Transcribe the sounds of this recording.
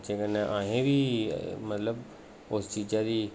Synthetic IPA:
t͡ʃeːkəneʔaːɦẽːʋiːmət̪ləb | ʊst͡ʃiːd͡ʒãːd̪iː

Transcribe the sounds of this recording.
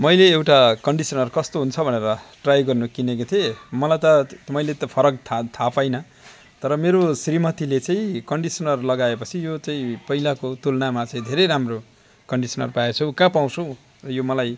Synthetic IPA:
mʌjleːwʈakʌɳɖisʌnʌrkʌst̪oɦunt͡sʰʌbʱʌneɾʌʈrajɡʌrnukineket̪ʰemʌlajt̪ʌmʌjlet̪ʌpʰʌɾʌk̚t̪ʰat̪ʰapajnʌ | t̪ʌɾʌmeɾosrimʌt̪ilet͡saĩkʌɳɖisʌnʌrlʌɡaepʌt͡sʰijot͡saĩpʌɦilakot̪ulnamat͡sʌĩd̪ʱeɾʌjɾamro | kʌɳɖisʌnʌ̰rpaet͡sʰukãpaw̃t͡sʰʌw̃ | rʌjomʌlaj

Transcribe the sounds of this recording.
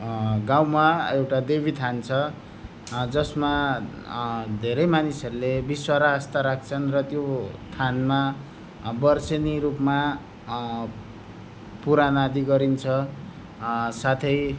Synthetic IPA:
ɡawmaewʈad̪ebit̪ʰant͡sʰʌ | d͡zʌsma | d̪ʱeɾʌjmanisʌɾulebiswaɾaːst̪aɾak̚ʰt͡sʰʌnrʌt̪jot̪ʰanma | bʌrseniɾupma | puɾanad̪iɡʌɾint͡sʰʌ | sat̪ʰʌj

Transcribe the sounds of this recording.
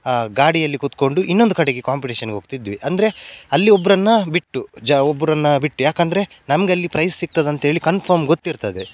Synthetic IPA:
ɡaːɽijɐlːikut̪̚ko̞ɳɖuʔinːo̞nd̪ukɐɽeɡekaːmpiʈiːʃɐnɡeɦoːɡ̚t̪id̪ʋiʔɐnd̪ɐɾeɐlːiobːɐɾɐnːɐbiʈːud͡ʒɐɔbːɾɐnːɐbiʈːujaːkɐnd̪ɐɾe̞ | nɐmɐɡeɐlːipɾɐjsːik̚t̪ɐd̪ɐnt̪ɐɦeːɭikɐnpʰɐɾmɡo̞t̪ːiɾt̪ɐd̪e

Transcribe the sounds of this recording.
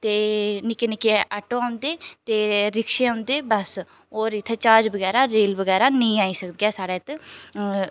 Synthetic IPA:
t̪eːnɪkeːnɪkeaːʈõːaʊ̃nd̪eːt̪eːɾɪkʃeʊnd̪eːbəs | oːɾɪt̪ʰːet͡ʃaːɾd͡ʒbəɡɛːɾaːɾeːlbəɡɛːɾaːnĩːaːiːsəkd̪ɛːsaːɽeːt̪

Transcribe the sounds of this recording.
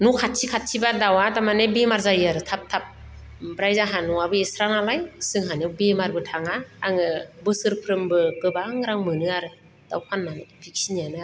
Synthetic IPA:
nukʰat̚sʰikʰat̚sʰibadawatamanebemaɾzajaɾɯtʰap̚tʰap̚ | bɾajzaɦanuwabɯestɾanalajsɯŋɦanɯbemaɾbɯtʰaŋaːŋɯbɯsɯɾpʰɾɯmbɯkɯbaŋɾaŋmɯnɯaɾɯ | d̥awkʰanːanɯpʰik̚sinijanɯ

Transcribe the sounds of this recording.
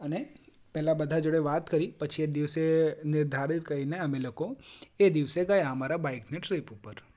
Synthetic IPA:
ɐne | pɛɦlabɐd̪ʱad͡ʒʊɽeʋaːt̪kɐɾipɐt͡ʃʰied̪iʋsenɪɾd̪ʱaːɾɪt̪kɐinɛɐmelokoed̪iʋsekaːjɦɐmaːɾabaːɪkneʈɾiːpupəɾ

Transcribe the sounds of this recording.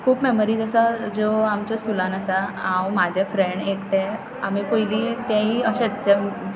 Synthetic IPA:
kʰuːpmeməɾiːd͡zəsad͡zoamt͡ɕaskulãnəsaãwmad͡ʑʱefɾeɳɖekʈe | amipojliːt̪jaɦiːəɕet͡st̪e

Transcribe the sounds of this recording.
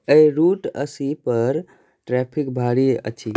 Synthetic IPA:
əjɾuʈə̰sipəɾ | ʈɾɛpʰikbʱaɽiə̰t͡ʃʰi

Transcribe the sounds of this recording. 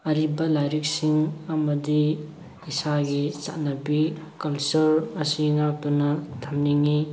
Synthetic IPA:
ɐɾibɐlajɾik̚siŋɐmɐdi | isaɡit͡ʃa̰tnɐbi | kɐlsuɾɐsiŋatunɐtʰamniŋi

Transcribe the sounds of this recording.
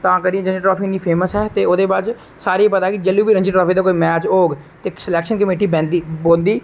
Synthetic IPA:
t̪ãːkəɾĩːd͡ʒəeʈɾɔːpʰiːniːpʰeːməsɦɛːt̪eːoːd̪eːbaːd͡ʒ | saːɾiːpət̪aɛkɪd͡ʒeluːbiːɾə̃nd͡ʒiʈɾɔːfʰiːd̪aːkoːiːmɛːt͡ʃoːɡt̪eːsɪlɛːkʃənkəmeːʈiːbɛ̃ːnd̪iːboːld̪iː

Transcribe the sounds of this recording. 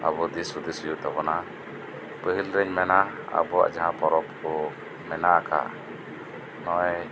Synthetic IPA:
a̰bɔd̪isud̪isujut̪abɔna | pəɦilɾɛɲmɛnaa̰bɔwa̰ʔd͡ʒaɦãpɔɾɔpkɔ | mɛnaka̰ | nɔɛ

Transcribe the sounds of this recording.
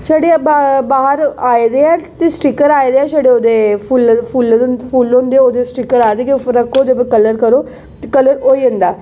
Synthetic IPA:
ʃəɽebabaɦəɾajd̪eat̪isʈɾikəɾaːjd̪eaʃɐɽeod̪efulfuld̪nfuːlːond̪eod̪esʈɾikəɾaːd̪ekiɾɐkʰod̪ebəɾkɐləɾkəɾo | t̪ikɐləɾojẽnd̪aː

